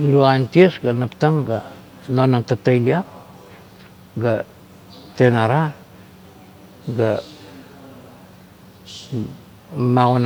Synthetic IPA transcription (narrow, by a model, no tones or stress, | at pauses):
luantiesɡanaptaŋɡa | nonantatajliap | ɡa | tenaɾa | ɡa | maɣon